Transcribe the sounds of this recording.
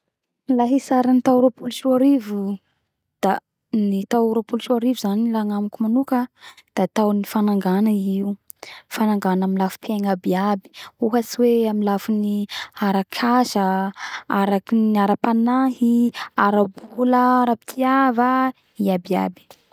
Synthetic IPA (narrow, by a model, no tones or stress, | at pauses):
laɦisaɾanit̪auɾopulʃuaɾivu | d̪̥a | nit̪auɾopulʃuaɾivuzanilaŋamikumanukəd̪̥at̪awnifanaŋɡanaiu | fanaŋɡanamilafu̥pʰeŋabiabi̥uɦasiweaminlafiniaɾakʰaʃaaɾakinaɾapanaɦiaɾabuləaɾapi̥t̪ʰiava | iabia̰bi̥